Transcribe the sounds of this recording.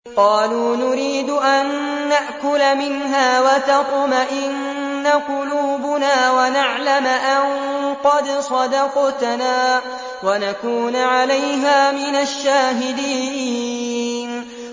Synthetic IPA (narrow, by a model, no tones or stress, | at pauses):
qɑːluːnʊɾiːd̪ʊʔanːaʔkʊlamɪnɦaːwat̪ɑqʊmaʔɪnː | aqʊluːbʊnaːwanaʕlamʔanqɑd̪sˤɑd̪ɑqt̪naː | wanakuːnʕalajɦaːmɪnaʃːaːɦɪd̪iː | n